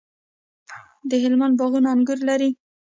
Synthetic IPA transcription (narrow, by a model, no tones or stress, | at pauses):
d̪əɦɪlmand̪bɑɣunaaŋɡʊɾlaɾi